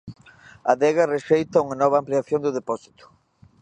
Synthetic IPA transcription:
ɐðɛɣareʃejt̪ɐuŋanɔβ̞aːmpliaθjond̪ʊðepɔsi̥t̪ʊ̥

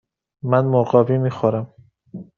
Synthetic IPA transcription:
mænmoɢɒːvimiːxoɾæm

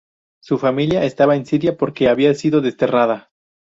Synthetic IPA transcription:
sufamiljaʔest̪aβaensiðjapo̞ɾke̞aβiasiðo̞ðe̞st̪e̞raða

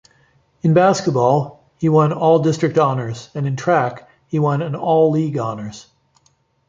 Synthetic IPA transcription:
ɨ̃nbæskət̚b̥ɔlˠ | hiwʌ̃nɔlˠdɪstɹ̥ɨk̚tɑnə˞zɨ̃nɨ̃ntʰɹ̥æk | hiwʌ̃nɨ̃nɔlˠliɡɑnə˞z̥

